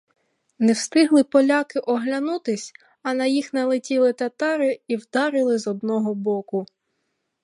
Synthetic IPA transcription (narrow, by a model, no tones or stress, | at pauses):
nɛwst̪ɪɦlˠɪpɔlʲɑkɪʔɔɦlʲɐnut̪ɪsʲ | ɐnɐjixnɐlˠɪtʲilˠɪt̪ɐt̪ɑɾɪiwd̪ɑɾɪlˠɪzɔd̪nɔɦɔbɔkʊ